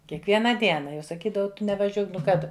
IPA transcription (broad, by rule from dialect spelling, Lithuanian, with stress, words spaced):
kʲiɛkˈʋʲiɛnɐ ˈdʲiɛnɐ jɛʊ sɐˈkʲiːdɐʋɐʊ ˈtʊ nʲɛʋɐˈʒʲuɔk nʊ ˈkɑː tʊ